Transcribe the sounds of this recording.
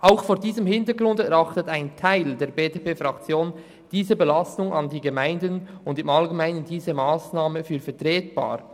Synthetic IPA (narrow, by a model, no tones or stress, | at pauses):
ʔaʊxfoːɾdiːzəmhɪntəɡʁʊndɛʁɑχtətaɪntʰaɪldeːɐbeːdepeːfʁakt͡sjoːn | d̥iːzəbelastʊŋʔɑndiːɡəmaɪndənʊndɪmalɡemaɪnəndiːzəmaːsnaːməfyːɾfɛɐtʁ̥eːt̚b̥a̰ːɾ